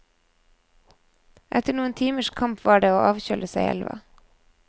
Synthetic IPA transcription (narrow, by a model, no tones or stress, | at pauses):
ʔɛt̪əɳuːənt̪ʰiːməʃkʰɑmpʋɑːɖeːoːʔɑːʋçœlʔəsæɪʔɛ̰lʋɑ̰